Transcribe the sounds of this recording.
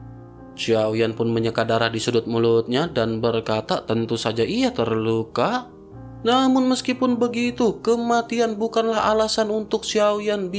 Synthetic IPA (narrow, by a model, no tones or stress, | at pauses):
siawijanpʊnməɲəkadaɾahdisudʊt̪̚mulʊt̪̚ɲadanbərkat̪at̪ənt̪usad͡ʒaʔijat̪ərluka | namʊnməskipʊnbəɡit̪ukəmat̪ianbukanlaha̰lasanunt̪ʊk̚siawjanb